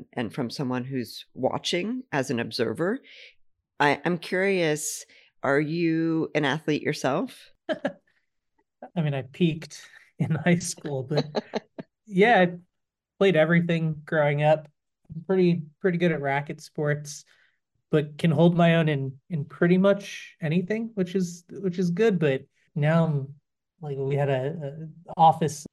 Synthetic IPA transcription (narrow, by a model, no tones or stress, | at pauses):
ʔɨ̰̃nfɹʌ̃msʌ̃mwʌ̃nɦʉz̥wɑ̰t͡ʃɪ̃ŋʔɨzɨ̃nɨbzɜ̰˞və˞ | ʔaɪʔã̰ɪ̃mkʰj̥ʊɹiɨs | ʔə˞jɨɨ̃næθliʔʔə̰˞sɛlˠf | aɪmĩnaɪpʰikt | ɨ̃nhaɪskulˠbʌt̚ | jæaɪ | pʰl̥eɪɾɛvɹiθɪ̃ŋɡ̥ɹoʊɪ̃ŋʌp | ãɪ̃mpʰɹ̥ɪɾipʰɹ̥ɪɾiɡʊɾɨt̚ɹækɨtspɔɹts | b̥ʌt̚kʰɨ̃nɦoʊlˠd̚maɪõʊ̃nɨ̃nɨ̃npʰɹ̥ɪɾimʌt͡ʃɛɾ̃iθɪ̃ŋwɨt͡ʃɨzwɨt͡ʃɨzɡʊd̚bʌt̚ | naʊ̃m | laɪkwiɨɾɨʌɔfɨs